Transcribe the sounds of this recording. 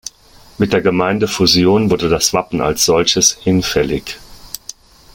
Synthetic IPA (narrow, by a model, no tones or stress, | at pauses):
mɪt̚d̥eːɐɡəmaɪndəfuzjoːnvʊɐdədasv̥apn̩a̰lsz̥ɔlçəshɪnfɛlɪç